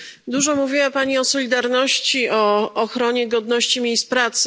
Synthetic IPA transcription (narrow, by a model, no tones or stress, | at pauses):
d̪uʐɔmuvʲiwapaɲiɔsɔlʲid̪aɾnɔɕt͡ɕiɔːxɾɔɲɛɡɔd̪nɔɕt͡ɕimʲjejst̪̚pɾat̪sɘ